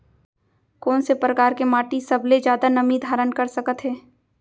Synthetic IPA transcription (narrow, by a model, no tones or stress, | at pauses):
kɔːnsepɾəkaːɾkemaːʈisɐbled͡ʒjaːd̪anɐmid̪ʱaːɾənkɐɾsɐkət̪ɦɛː